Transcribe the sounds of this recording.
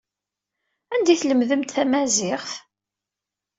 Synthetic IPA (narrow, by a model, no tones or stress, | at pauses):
ænd̪iθləmðəmt̪θæmæzɪʁf